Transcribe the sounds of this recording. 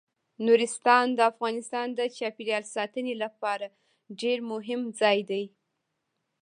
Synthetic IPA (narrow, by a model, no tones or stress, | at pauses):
nuɾɪst̪ɑnd̪əafɣɑnɪst̪ɑnd̪ət͡ʃɑpiɾijɑlsɑt̪ənelapɑɾa | ɖeɾmʊɦɪmd͡zɑjd̪aj